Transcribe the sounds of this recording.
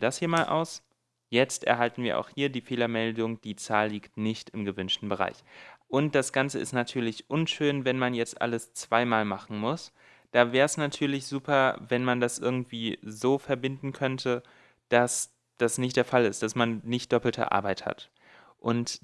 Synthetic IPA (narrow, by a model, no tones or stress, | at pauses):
dashiːɐmaːlʔa̰ʊs | jɛt͡stʔɛɐɦaltn̩viːɐʔa̰ʊxhiːɐdiːfeːlɐmɛldʊŋd̥iːt͡saːlːiːktnɪçtɪmɡəvʏnʃtn̩bəʁ̞a̰ɪçʔʊnt̚d̥asɡ̥ant͡səɪstnatʰyːɐlɪçʔʊnʃøːnvɛnmanjɛt͡stʔa̰ləst͡sv̥aɪmaːlmaχn̩mʊs | d̥aːvɛːʁɛsnatʰyːɐlɪçz̥uːpɐvɛnmandasʔɪɐɡŋ̩tv̥iːzoːfɛɐbɪndn̩kʰœntʰə | d̥as | d̥asnɪçt̚d̥eːɐfalɪst̚d̥asmanːɪçt̚d̥ɔpl̩tʰə̰ʔa̰ɐbaɪtha̰t | ʔʊnt